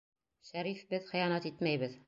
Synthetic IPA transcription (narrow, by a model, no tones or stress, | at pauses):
ʃæɾifbɘðχĭjɑnæt̪it̪mæjbɘð